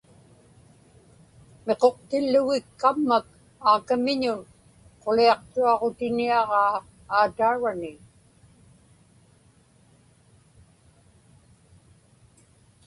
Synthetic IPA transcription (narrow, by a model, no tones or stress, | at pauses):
me̞qo̞q̚t̪ɪlːʊɣɪkːamːak̚ | aːkamɪɲʊn | qo̞liɑqt̪uɑʁo̞t̪ɪniɑʁɑː | aːt̪aːɻanɪ